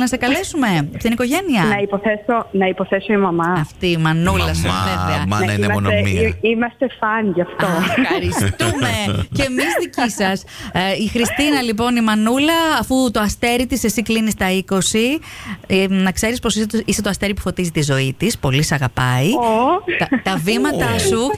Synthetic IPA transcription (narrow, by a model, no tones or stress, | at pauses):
nɐsekɐle̞sume̞t̪iniko̞ʝe̞niɐnɐipoθesonɐipoθesoimɐmɐɐft̪imɐnulɐsveveɐniɐoneimɐst̪e̞fɐnʝɐft̪oɾist̪umescemizðicisɐs | ixɾist̪inɐlip̬o̞nimɐnulɐːfut̪oɐst̪e̞ɾit̪ise̞siklinist̪ɐiko̞si | nɐkse̞ɾispo̞sisiset̪oɐst̪e̞ɾipu̥fo̞t̪izit̪izo̞it̪ispo̞lisɐɣɐpɐi | t̪ɐvimɐt̪ɐsu